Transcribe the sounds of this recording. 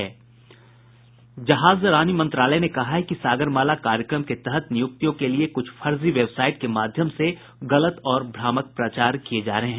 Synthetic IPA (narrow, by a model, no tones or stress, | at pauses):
ɛː | d͡ʒɐɦaːzɾaːnimɐ̃nt̪ɾaːlənekɐɦaɦɛkisaːɡəɾmaːlakaːɾjəkɾəmket̪ɛɦət̪nɪjʊk̚t̪ijõkeliekʊt͡ʃʰfʰɐɾziʋebsaːɪʈ̚kemaːd̪ʱjəmse | ɣɐlət̪ɔːɾbʱɾaːmək̚pɾɐt͡ʃaːɾkied͡ʒaːɾɐɦeɦɛ̃